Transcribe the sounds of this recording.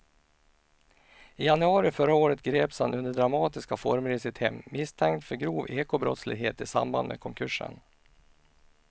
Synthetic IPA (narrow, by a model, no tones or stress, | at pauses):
ɪjanɵɑːɾɪfœɾaoːɾət̪ɡɾeːpshanɵnd̪əɖɾamɑːt̪ɪskafɔɾmɾɪsɪt̪hɛmːɪst̪ʰɛŋkt̪fœɾɡɾuːveːkʊbɾɔ̰t̪slɪ̰ɡɦeːt̪ɪsa̰mba̰nd̪mḛːkʰɔŋkʰɵʂə̰n